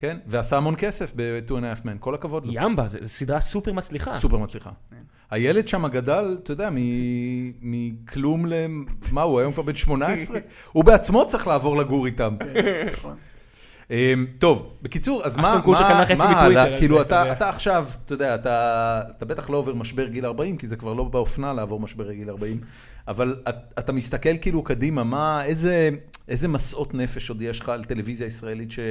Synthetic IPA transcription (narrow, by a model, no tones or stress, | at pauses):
kenveasaːmo̞nke̞se̞fbe̞tuenafmenko̞lakavo̞dloambazesid̪ʁasupemat͡sliχasupeʁmat͡sliχa̰ | hajeled̪ʃamaɡadalt̪ojod̪eami | mikʰlumlemauajomkvaʁbenʃmo̞naesʁe | ubeat͡smo̞t͡sʁiχlaːvo̞ʁlaɡuʁitamnon | emt̪o̞vbe̞kit͡suʁazmauaχemaɦalakiːluataːtaːχʃavt̪ojod̪eaːt̪aːt̪abe̞t̪aχlo̞ove̞ʁmaʃbe̞ʁɡilaʁbaimkizekvaʁlo̞beofnalaːvo̞ʁmaʃbe̞ʁleɡilaʁbaim | avalaat̪amist̪ake̞lkiːlukadimamaezeʔeze̞masʔo̞tne̞fe̞ʃod̪jeʃχalt̪e̞le̞vizjaisʁaelitʃe